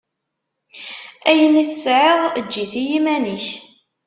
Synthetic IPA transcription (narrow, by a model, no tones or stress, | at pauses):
æjəniθəsʕɪʁd͡ʒːiθijimænəç